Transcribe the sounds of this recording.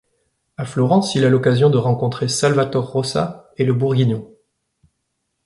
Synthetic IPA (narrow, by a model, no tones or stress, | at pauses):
aflɔʁɑ̃silalɔkazjɔ̃d̪əʁɑ̃kɔ̃t̪χesalvat̪ɔʁːɔsa̰eləbuʁɡʲinjɔ̃